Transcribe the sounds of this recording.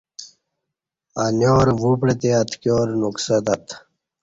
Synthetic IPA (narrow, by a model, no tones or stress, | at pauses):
anjoːɾʋupɽet̪eɐt̪ʰkjoːɾnuksɐt̪ɐt̪